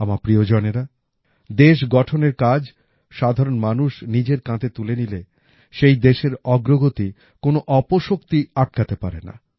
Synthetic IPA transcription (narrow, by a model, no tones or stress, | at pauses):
amapɾiod͡ʑɔneɾa | d̪eʃɡɔʈʰoneɾkad͡ʑ | ʃad̪ʱaɾonmanuʃnid͡ʑeɾkãt̪et̪ulenile | ʃejd̪eʃeɾɔɡɾoɡot̪i | konoʔɔpoʃokt̪iaʈ̚kat̪epaɾena̰